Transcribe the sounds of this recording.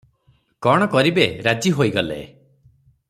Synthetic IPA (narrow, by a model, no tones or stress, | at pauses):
kɔɽ̃ɔkɔɾibeɾad͡ʒiɦojɡɔlḛ